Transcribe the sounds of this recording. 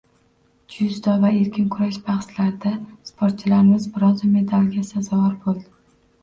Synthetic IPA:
d͡ʒʊzd̪ɒvae̞ɾkʲʰɪnkʰʊɾaʃbaχslaɾd̪aspʰoɾt̪̚t͡ʃʰɪlaɾɪmɪzbɪɾɒzɪme̞d̪alɡʲasazɒvɒɾbolˠd̪ɪ

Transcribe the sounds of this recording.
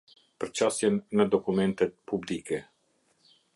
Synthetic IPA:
pɾt͡ʃasjɛnːad̪okumɛnt̪ɛpʰublikɛ

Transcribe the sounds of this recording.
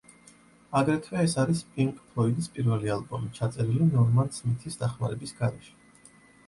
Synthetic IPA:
aɡɾɛt̪ʰwɛɛsaɾispʼiŋkʼpʰɾɔid̪ispʼiɾvɛlialˠbɔmit͡ʃʰat̪sʼɛɾilinɔɾmant̪smit̪ʰisd̪̥aχmaɾɛbisɡaɾɛʃɛ̥

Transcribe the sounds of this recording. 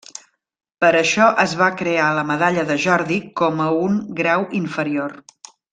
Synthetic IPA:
pəɾəʃɔʔəzβakɾealəməðaʎəðəʒɔɾðikɔməuŋɡɾawiɱfəɾior

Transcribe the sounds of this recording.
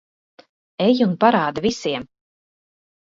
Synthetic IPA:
ejunpaɾaːd̪avisiɛm

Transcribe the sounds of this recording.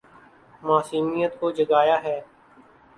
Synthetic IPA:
maːsiːmijət̪kod͡ʒəɡaːjaɦɛː

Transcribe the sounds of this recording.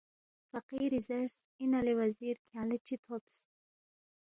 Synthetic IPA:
faqiɾizaɾs | inalewaziɾkʰalet͡ʃit̪ʰops

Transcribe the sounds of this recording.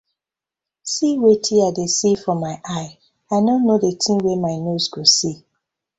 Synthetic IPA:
siwetʰiaɪdesifɔmaɪʔaɪ | aɪdõnːodetʰĩnwemaɪnozɡosi

